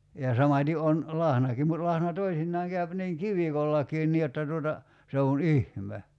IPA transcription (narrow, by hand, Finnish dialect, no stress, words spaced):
jɑ sɑmɑtʲi on lɑhnɑkim mut lɑhnɑ toisinːɑːŋ kæyp niːŋ kiʋikolːɑkiːn niː jotːɑ tuotɑ se on ihme